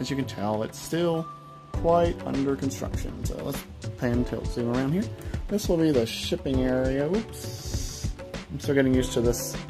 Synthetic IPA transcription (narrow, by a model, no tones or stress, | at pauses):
ʔɨzjɨkɨ̃n̩tʰɛlˠɪ̰tstɪlˠ | kʰw̥aɪɾʌ̰̃ndə˞kn̩stɹ̥ʌ̰kʃɨ̰̃nso̰ʊlə̰ts | pʰæɪɨ̃ntʰeɪlˠsĩŋə˞ãʊ̃ndhiɹðɪswəl̩ˠbiðɨʃʃɪpɪ̃ŋɛɹiɨups | ãɪ̃mstɪl̩ˠɡɛɾɪ̃ŋjʉstʰɨðɪs